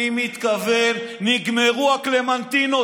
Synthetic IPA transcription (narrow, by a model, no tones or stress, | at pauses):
imit̪kavenniɡmeʁuakle̞mant̪ino